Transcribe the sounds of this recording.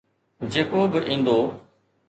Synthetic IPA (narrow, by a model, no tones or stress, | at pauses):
d͡ʑeːkobɪʔĩːn̆d̪oː